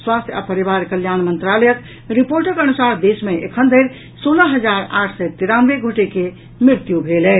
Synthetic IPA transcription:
swast̪ʰja̰pəɾibaɾkəljanmənt̪ɾaləjək | ɾipoɾʈəkənusaɾd̪esmeekʰənd̪ʱəjɾ | soləɦəd͡ʒaɾaʈʰsət̪iɾanʋeɡʱoʈeke | mɾiɾt̪jubʱelɛ

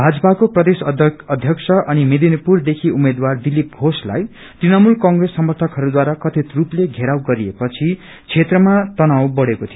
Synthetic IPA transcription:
bʱad͡zʌpakoprʌd̪esʌd̪ʱjʌksʰʌʔʌnimed̪inipurd̪ekʰiumed̪ward̪ilːip̚ɡʱosla̰j | t̪rinʌmulkʌŋɡresːʌmʌrt̪ʰʌkɦʌɾud̪waɾakʌt̪ʰit̪rupleɡʱeɾawɡʌɾiepʌt͡sʰi | t͡sʰet̪rʌmat̪ʌnawbʌɽekot̪ʰijo

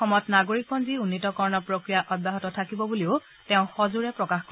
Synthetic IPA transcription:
xɔmɔjtnaɡoɹik̚bɔnziunːitɔkɔɹnɔpɹokɹijaʔɔdaɦɔtɔtʰakibɔbuliʊ | teʊ̃xɔzuɹɛpɹɔkaxkɔ

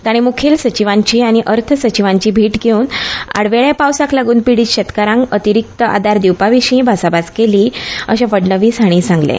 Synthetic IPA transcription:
t̪aɽ̃imukʰeːlsət͡ɕiʋãɲt͡ɕiːaɽ̃iʔəɾt̪ʰəsət͡ɕiʋãɲt͡ɕiːbʱiːʈɡʱeuːna̰ɽʋeɭjapawsaklaɡuːnpiɽiːt͡ɕɕet̪kaɾãŋkət̪iɾik̚t̪əʔa̰d̪aɾd̪iwpaʋiɕiĩbʱasabaskeliːəɕapəɽɳəʋiːsaɽ̃ĩːsãŋɡlḛ

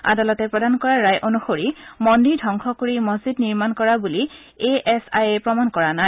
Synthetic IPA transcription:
a̰dalɔtɛpɹɔdankɔɹaːajʔonuxoɹimɔndiɹdʱɔŋxʰɔkoɹimɔzidniɹmankɔɹabuli | eʔɛsa̰jepɹɔmankɔɹanaj

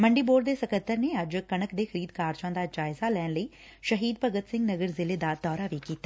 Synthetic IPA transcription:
məɳɖiːboːɖd̪eːsəkət̪ːəɾneːəd͡ʒkənəkd̪eːxʰəɾiːd̪kaːɾd͡ʒãːd̪aːd͡ʒaːɪzalɛːnləiː | ʃəɦiːd̪̚pəɡət̪sɪ̃ŋɡnəɡəɾzɪleːd̪ad̪ɔːɾaːʋiːkiːt̪aː

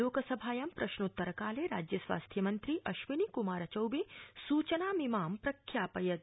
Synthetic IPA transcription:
oːkɐsɐbʱaːjɐmpɾɐʃnut̪ːɐɾɐkaːleɾa̰ːd͡ʒjɐsʋa̰ːst̪ʰjɐmɐnt̪ɾiʔɐʃʋinikumaːɾɐt͡ʃɐwbesuːt͡ʃɐnaːmimaːmpɾɐkʰːjaːpɐjɐd̪̚

